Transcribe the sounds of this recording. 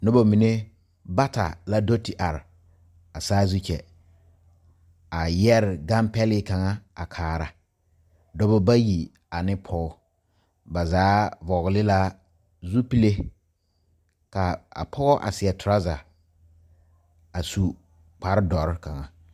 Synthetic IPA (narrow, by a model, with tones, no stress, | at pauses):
nʊ˦ba˨mi˨ne˦ | ba˦ta̰˨la˦do˦ti˨ʔa˨ɾɪ˨ | a˨saː˦zu˦t͡ʃɛ˨ | a˨jɛ˦ɾɪ˨ɡa˦mpɛ˦lɪ˦ka˨ŋa˦a˨kʰaː˨ɾa˨ | dɔ˦bɔ˦ba˦ji˨ | a˨nɪ˦pʰɔ˦ʊ˦ | ba˨zaː˨˦vɔ˨ɣlɪ˦la˦ | zu˦pi˦le˦ | ka˨a̰˨pʰɔ˦ɣɔ˦ʔa̰˨sɪ˨ɛ˨tʰʊ˨ɾa˦za˨ | a˨su˨ | k͡pa˨ɾɪ˦dɔ˨ɾɪ˦ka˨ŋa˨